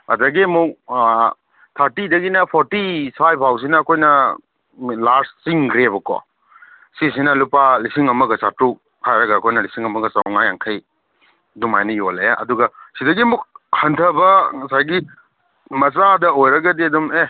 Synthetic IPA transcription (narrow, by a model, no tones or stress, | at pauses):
ɐ̰daɡimuk̚ | tʰaɾtidɐɡinɐpʰoɾtisajb̚ʰʱaws̬inɐːkʰojnɐ | laɾssiŋkʰɾebɐkɔ̰ | sis̬inɐlupalisiŋɐmɐɡɐsatɾu | hʰajɾɐɡɐːkʰojnɐlisiŋɐmɐɡɐsa̰wŋajaŋkʰɐj | dumajnɐjolejaʔɐ̰duɡɐsidɐɡimuk̚hɐntʰɐbɐŋɐsajɡi | mɐt͡ʃadɐojɾɐɡɐdiɐdume